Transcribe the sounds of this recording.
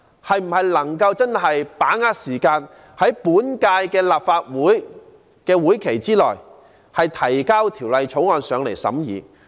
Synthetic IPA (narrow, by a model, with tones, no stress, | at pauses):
hɐ˨jm̩˨˩hɐ˨jlɐ˨˩ŋkɐ˧wt͡sɐ˥nɦɐ˨jpaː˨˥ŋaː˧t̚siː˨˩kaː˧n | hɐ˨˥jpuː˨˥nkaː˧jkɛː˧laː˨˩p̚faː˧t̚wuː˨˥j | kɛː˧wuː˨˥jkʰe˨˩jt͡siː˥lɔː˨˩j | hɐ˨jt̪ʰɐ˨˩jkaː˥wt̪ʰiː˨˩wlɐ˨jt͡ʃʰo˨˥wŋɔː˧nsœː˨˧ŋle˨˩jsɐ̰˨˥mjiː˨˧